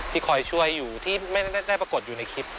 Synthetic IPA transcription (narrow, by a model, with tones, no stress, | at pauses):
t̪ʰiː˥˩kʰɔ˨˩jt͡ɕʰu˥˩əjːuː˨˩t̪ʰiː˥˩ma˥˩jda˥˩jda˥˩jpɾa˧ko˨˩t̪̚juː˨˩na˧jkʰi˦˥p̚